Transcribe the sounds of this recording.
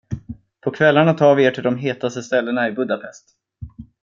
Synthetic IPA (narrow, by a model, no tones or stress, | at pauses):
pʰɔkʰvɛlːaɳat̪ʰɑːɾvɪeːʈʰɪld̪ɔmɦeːt̪ast̪əst̪ɛlːəɳaɪbɵd̪apʰɛst̪